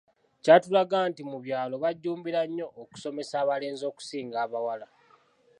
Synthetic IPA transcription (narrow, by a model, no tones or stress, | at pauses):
catulaɡaːntimuβjaːlo̞βaɟːuːmbiɾaɲːo̞ʔːku̥so̞me̞saːβale̞ːnzo̞ːku̥siːŋɡaːβawala